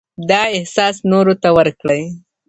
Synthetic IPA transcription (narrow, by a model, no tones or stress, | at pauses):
d̪ɑɪhsɑsnoɾot̪awəɾkɽəj